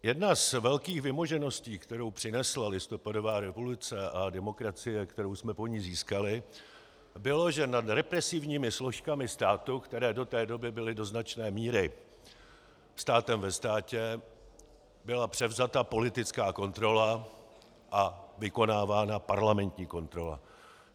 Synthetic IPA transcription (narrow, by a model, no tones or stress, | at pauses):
jɛdnazvɛlkiːxvɪmo̞ʒɛno̞sciːkt̪ɛɾo̞wpr̥ɪnɛslalɪst̪o̞pado̞vaːɾɛvo̞lʊt͡sɛʔadɛmo̞kɾat͡sɪjɛkt̪ɛɾo̞wsmɛpo̞ɲiziːskalɪ | bɪlo̞ʒɛnad̪ɾɛpɾɛsɪvɲiːmɪslo̞ʃkamɪst̪aːt̪ukt̪ɛɾɛːdo̞t̪ɛːdo̞bɪbɪlɪdo̞znat͡ʃnɛːmiːɾɪ | st̪aːt̪ɛmvɛst̪aːcɛ | bɪlapr̝̥ɛvzat̪apo̞lɪt̪ɪt͡skaːko̞nt̪ɾo̞la | ʔavɪko̞naːvaːnapaɾlamɛnt̪ɲiːko̞nt̪ɾo̞la̰